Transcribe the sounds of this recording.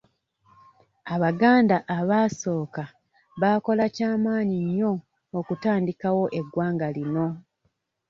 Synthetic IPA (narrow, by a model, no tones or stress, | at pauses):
aβaɡaːndaʔaβaːso̞ːka | βaːko̞lacaːmaːɲiɲːo̞ː | kutaːndikawo̞ʔe̞ɡwaːŋɡalino̞